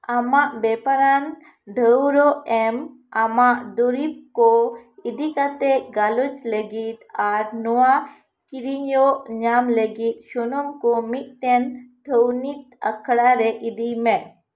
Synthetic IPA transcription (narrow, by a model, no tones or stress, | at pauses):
amaʔbepaɾan | ɖʱəwɾoem | amaʔd̪uɾip̚koid̪ikat̪eɡalut͡ʃleɡit̪aɾnuwa | kiɾiɲoʔɲamleɡit̪̚ʃunomkomiʔʈent̪ʰəwnit̪̚ə̰kʰɽaɾeʔid̪ime